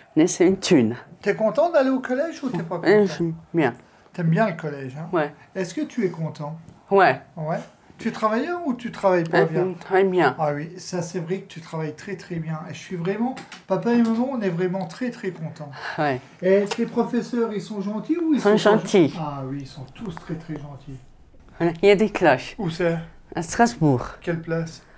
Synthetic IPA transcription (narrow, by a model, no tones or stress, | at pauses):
nɛsɛynt̪ʰynt̪yɛkɔ̃t̪ɑ̃d̪aleokɔlɛʒut̪ɛpakɔ̃ɛmbjɛ̃ | t̪ɛmbjɛ̃ləkɔlɛʒɛ̃wɛ | ɛskət̪ʰyɛkɔ̃t̪ɑ̃wɛwɛ | t̪yɛt̪χavajɛut̪yt̪χavajpbjɛ̃t̪χavajbjɛ̃awisasɛvʁɛkə̥t̪yt̪χavajt̪χɛt̪χɛbjɛ̃eʒəsɥivʁɛmɑ̃papaemɔmɑ̃ɔ̃nɛvʁɛmɑ̃t̪χɛt̪χɛkɔ̃t̪ɑ̃wɛ | ɛslepχɔfɛsœʁilsɔ̃ʒɑ̃t̪iuisɔ̃ʒɑ̃t̪ʰiawiːlsɔ̃t̪ʰust̪χɛt̪χɛʒɑ̃t̪ʰi | alailjad̪eklaʃusa | ast̪χasbuːʁkʲɛlplas